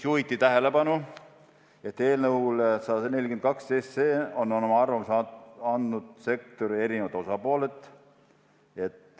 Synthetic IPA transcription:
suvit̪ːit̪æɦele̞pɑnu | e̞t̪ːe̞ːlnəulsɑd̪ne̞lʲkyent̪kɑkst̪ejst̪seːo̞nːonomɑɑrvɑmsɑɑnd̪nud̪̥se̞k̚t̪o̞ɾie̞ɾinevɑt̪o̞sɑpoːle̞t̪ːˑ | e̞t̪ː

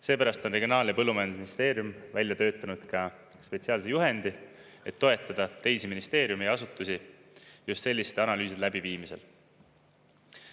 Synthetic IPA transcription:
se̞ːpæɾɑst̪o̞nreɡionɑːljɑpɤlːumɑjɑnd̪usminist̪e̞ːɾjumvælʲjɑt̪ø̞ːt̪ːˑɑnud̪̥kɑ | spe̞t̪siɑːlsejuɦe̞nd̪i | e̞t̪ːo̞e̞t̪ːˑɑd̪̥ɑt̪e̞jsiminist̪e̞ːɾjumejɑsut̪ːˑusijust̪se̞lʲːist̪ɑnɑlyːs̬id̪læb̥iviːmise̞̰l

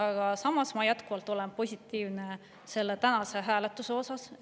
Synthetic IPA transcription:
ɑɡ̥ɑsɑmːɑsmɑjæt̪kuvɑlt̪ːˑo̞le̞npo̞sʲit̪ˑːiːvne | se̞lːe̞t̪ænɑse̞ɦæːlet̪ːˑuseo̞sɑs

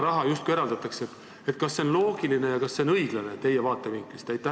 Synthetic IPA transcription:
ɾɑɦɑjust̪kuieɾɑld̪ɑt̪ːˑɑkseet̪ | et̪kɑsːe̞o̞nlo̞ːɡ̥iline̞jɑkɑsːe̞onɤiɡ̥lɑnet̪e̞jevɑːt̪ːˑe̞viŋklist̪æjt̪ːæh

